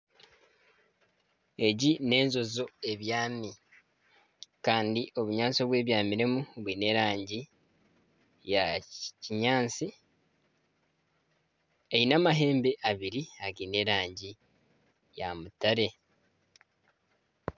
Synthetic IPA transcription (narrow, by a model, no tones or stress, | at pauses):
e̞ɟine̞ːnzo̞zo̞e̞βjaːni | kaːndiʔo̞βuɲaːnt͡soβwe̞ːβjaːmiɾemuβwine̞ɾaːɲɟi | jaciɲaːnt͡si | ejinamaɦe̞ːmbe̞ʔaβiɾiaɡine̞ɾaːɲɟi | jamutaɾe̞